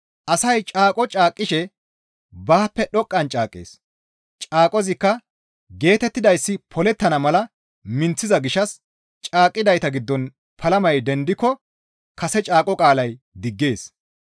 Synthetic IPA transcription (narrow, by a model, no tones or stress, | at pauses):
ʔɐsɐjt͡ʃʼaːkʼɔt͡ʃʼaːkʼːɪʃɛ | baːpːɛɗɔkʼːɐnt͡ʃʼaːkʼːḛːs | t͡ʃʼaːkʼɔzɪkːɐ | ɡe̞ːt̪ɛt̪ːɪd̪ɐjsːɪpʰɔlɛt̪ːɐnɐmɐlɐ | mɪnt͡sːɪzɐɡɪʃɐs | t͡ʃʼaːkʼːɪd̪ɐjt̪ɐɡɪd̪ːɔn | pʰɐlɐmɐjd̪ɛnd̪ɪkːɔ | kɐsɛt͡ʃʼaːkʼɔkʼaːlɐj | d̪ɪɡːe̞ːs